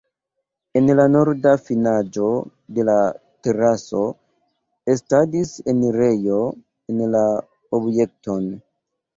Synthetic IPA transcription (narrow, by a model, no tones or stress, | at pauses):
e̞nlano̞ɾdafinad͡ʒo̞ | de̞late̞ɾaso̞ | estadisenɾejo̞ | enla | obje̞k̚tʰon